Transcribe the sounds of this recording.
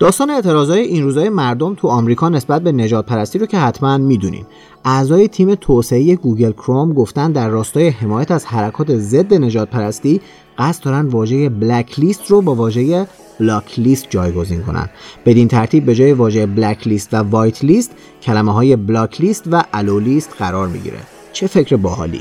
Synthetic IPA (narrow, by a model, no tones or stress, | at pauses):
d̪̥ɒːst̪ɒːneet̪ʰeɾɒːzhɒːjeʔinruːzɒːjemæɾd̪o̞mt̪ʰuɒːmɾiːkʰɒːne̞sbæt̪̚be̞ne̞ʒɒːd̪̚pʰæɾæst̪iːɾocʰe̞hæt̪ʰmænmiːd̪unḭːm | ʔæzɒːje̞t̪ʰiːme̞t̪ʰose̞eje̞ɡuɡe̞lkʰɾomɡo̞ft̪ænd̪d̪æɾːɒːst̪ɒːje̞he̞mɒːjæt̪ʰæzhæɾækʰɒːt̪ʰe̞ze̞d̪ːe̞ne̞d͡ʒɒːd̪̚pʰæɾæst̪iː | ɢ̥æst̪d̪ɒːɾænd̪vɒːʒe̞je̞blæcʰlist̪robɒːvɒːʒe̞je | b̥lɒːcʰliːst̪̚d͡ʒɒːjɡo̞ziːnkʰo̞̰næ̰nd̪̥be̞d̪int̪ʰæɾt̪ʰiːb̚ːe̞d͡ʒɒːjevɒːʒejeblæcʰlist̪vævɒːjt̪ʰlist̪ | cʰælæmeɦɒːje̞blɒːcʰlist̪væʔælolist̪ɢæɾɒːɾmḭɟḭɾḛ | t͡ʃʰe̞fe̞cʰɾebɒɦɒ̰ːlḭ